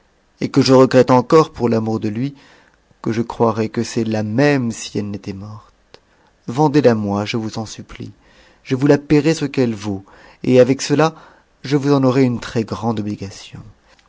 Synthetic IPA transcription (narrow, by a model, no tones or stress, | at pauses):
ekəʒəʁəɡʁɛt̪ɑ̃kɔʁpuʁlamuʁd̪əlɥi | kəʒəkχwaʁɛkəsɛlamɛmsi̥ɛlnet̪ɛmɔʁt̪ | vɑ̃d̪elamwaʒəvuzɑ̃syplḭ | ʒ̥əvulapeʁesəkɛlvo | eavɛksəla | ʒəvuzɑ̃nɔʁɛynt̪χɛɡʁɑ̃d̪ɔbliɡasjɔ̰̃